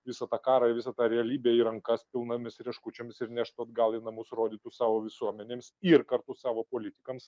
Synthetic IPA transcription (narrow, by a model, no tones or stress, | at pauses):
ʋʲɪsɐt̪ɑːkɑːɾɐʋʲɪsɐt̪ɑːɾʲɛɐlʲiːbʲeːiɾɐŋkɐspʲɪlˠnɐmʲɪsɾʲɛʃkʊt͡ʃʲomʲɪsɪɾnʲæʃt̪oɐd̪ɡɑːlˠɪnɐmʊsɾoːd̪ʲiːt̪ʊsɑːʋoːʋʲɪsuɔmʲɛnʲeːmsɪrkɐɾt̪ʊssɑːʋoːpoːlʲɪt̪ʲɪkɐms